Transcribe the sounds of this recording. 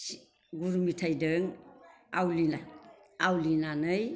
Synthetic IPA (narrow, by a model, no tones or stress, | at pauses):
ɡuɾumitʰajdɯŋawlinaawlinanɯj